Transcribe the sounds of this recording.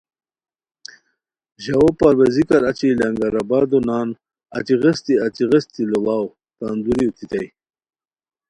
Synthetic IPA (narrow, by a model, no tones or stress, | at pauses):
ʑawopaɾwezikaɾat͡ɕilaŋɡaɾabaːd̪onaːn | at̪iɣest̪iat͡siɣest̪ilolaːw | t̪and̪uɾiwt̪it̪aj